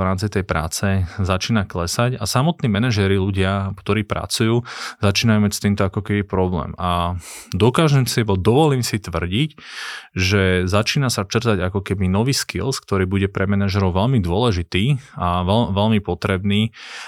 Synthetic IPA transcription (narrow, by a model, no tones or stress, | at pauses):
ɾaːmt͡sit̪ɛjpɾa̰ːt͡sɛzat͡ʃiːnaklɛsacasamɔt̪niːmɛnaʒɛɾiluɟɪakt̪ɔɾiːpɾa̰t͡sujuːzat͡ʃiːnajuːmacst̪iːmt̪ɔakɔkɛbipɾɔblɛ̰ːmad̪ɔkaːʒɛmsibɔd̪ɔʋɔliːmsit̪ʋr̩ɟicʒɛzat͡ʃiːnasat͡ʃr̩zaɟakɔkɛbinɔʋiːskḭlskt̪ɔɾiːbuɟɛpɾɛmɛnaʒɛɾɔʊʋɛlmid̪ʊɔlɛʒit̪iːaʋɛʋɛlmipɔt̪ɾɛbniː